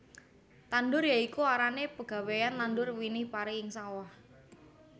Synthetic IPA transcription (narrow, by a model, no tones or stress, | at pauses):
t̪anɖʊrjaikuaɾanepəɡ̥a̤wejant̪andʊrwinɪhpaɾɪɪŋsawah